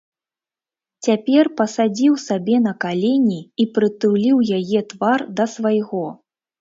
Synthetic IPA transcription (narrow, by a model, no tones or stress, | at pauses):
t͡sʲapʲɛrpɐsad͡zʲiwsabʲɛnɐkalʲɛnʲiipɾɨt̪ɨwlʲiwjajɛt̪vard̪ɐsvajɣɔ